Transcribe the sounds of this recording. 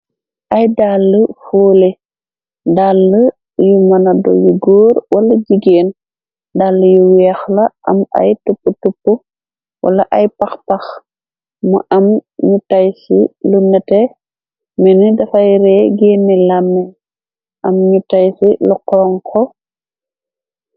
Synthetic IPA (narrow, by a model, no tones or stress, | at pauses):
ʔɐjdalːəfoːle | dalːə | jumɐnɐdɔ̰juɡoːɾwɐlɐd͡ʒiɡeːn | dalːəjuwɛxlɐʔɐ̰mɐ̰jtupːutupːu | wɐ̰lɐʔɐjpɐxpɐx | mɐ̰ʔɐmɲutajsḭlunɛtɛ | mɛnidɐfɐjɾɛɡeːnːilamːɛ | ʔɐmɲutajsilukɔŋkʰɔ